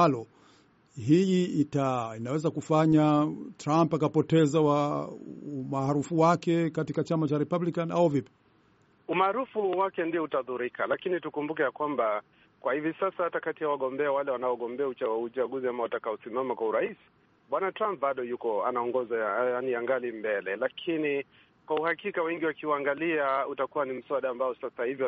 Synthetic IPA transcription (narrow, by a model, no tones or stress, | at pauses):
alɔ | ɦijiːtainawɛzakufaɲatɾampakapɔtɛzawa | umaːɾufuwakɛkatikat͡ʃamat͡ʃaɾɛpablikana̰uvipi̥ | umaːɾufuwakɛndiɔhutaðuɾikalakinitukumbukɛjakwamba | kwahivisasahatakatijawaɠɔmbɛawalɛwanaɔɠɔmbɛaut͡ʃaut͡ʃaɠuziamawatakaɔsimamakwauɾais | ɓwanatɾamp̚baɗɔjukɔa̰naɔŋɡɔzaanijaŋɡalimbɛlɛlakʰini | kwauhakikawɛŋɡiwakiwaaŋɡaliautakuwanim̩swaɗaːmbaɔsasahivjɔ